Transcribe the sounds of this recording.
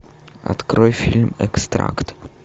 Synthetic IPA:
ʔa̰t̪kɾɔʏfɪlmɛkst̪ɾa̰kt̪

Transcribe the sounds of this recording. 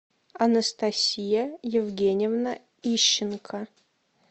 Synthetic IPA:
ɐnəst̪ɐsʲijəjɪvɡʲenʲɪvnə | iɕːɪnkʰə

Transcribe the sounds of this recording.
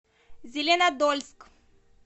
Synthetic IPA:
zʲelʲenad̪olʲsk

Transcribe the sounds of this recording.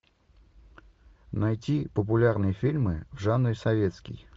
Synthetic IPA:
nɐjtʲipəp̬ʊlʲarnɨjəfʲilʲmɨvʐanːɾʲsɐvʲe̞t̪skʲɪ̰j

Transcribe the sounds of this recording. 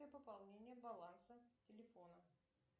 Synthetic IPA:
əjəpəpɐlˠnʲenʲɪjəbɐlˠansətʲɪlʲɪfo̞nə

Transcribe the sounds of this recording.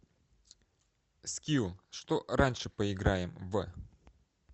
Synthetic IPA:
skʲilˠʂt̪oɾanʲʂɨpəɪɡɾajɪmv

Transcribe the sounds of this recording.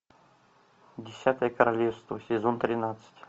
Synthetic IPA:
dʲɪsʲat̪əjəkəɾalʲefst̪vəsʲɪzont̪ɾʲɪnat̪sɨ̥tʲ

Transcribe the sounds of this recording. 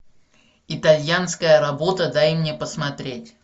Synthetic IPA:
ɪt̪ɐlʲjanskəjəɾɐbo̞t̪əd̪ajɪmnʲe̞pəsmɐt̪ɾʲetʲ

